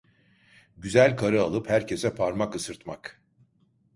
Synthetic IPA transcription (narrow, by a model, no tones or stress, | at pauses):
ɟyzælʲkʰaɾɯalˠɯphæɾcʰe̞sɛpʰaɾmakɯsɯɾt̪mak